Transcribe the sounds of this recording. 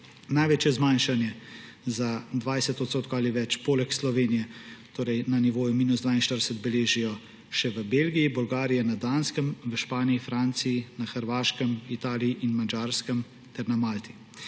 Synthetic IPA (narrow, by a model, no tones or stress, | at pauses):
najʋeːt͡ʃjɛzmajnʃanjɛ | zad̪ʋajsɛt̪ɔt̪st̪oːt̪̚koaliʋɛt͡ʃpoːlɛkslɔʋeːnijɛt̪oːɾɛjnaniʋoːjumiːnuzd̪ʋaːinʃt̪əɾdɛsət̪bɛleːʒijɔ | ʃɛʋəbelɡijibɔlɡaːɾijɛnad̪aːnskəmʋəʃpaːniifɾaːnt̪sijinaxəɾʋaːʃkəmit̪aːlijiʔinmad͡ʒaːɾskəm | t̪ɛɾnamaːlt̪i